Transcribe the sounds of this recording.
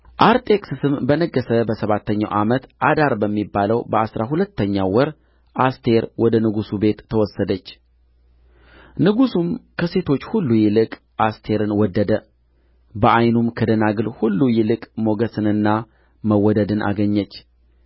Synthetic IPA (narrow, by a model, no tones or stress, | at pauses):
ʔaɾt̪ʼe̞kʼsɨsɨmbənəɡːəsəbəsəβat̪ːəɲːa̰wʔamət̪ʔad̪aɾbəmːibːaləwbəasɾaɦulət̪ːəɲːawɔɾ | ʔast̪ʰe̞ɾwɔd̪ənɨɡusube̞t̪ʰːəwɔsːəd̪ət͡ʃː | nɨɡusumkʰəse̞t̪ʰo̞t͡ʃːhulːujɪlɨkʼ | ast̪ʰe̞ɾɨnwɔd̪ːəd̪ə | bəʔajnumkʰəd̪ənaɡɨlhulːujɪlɨkʼmo̞ɡəsɨnɨnːa | məwɔd̪əd̪ɨnʔa̰ɡəɲːət͡ʃː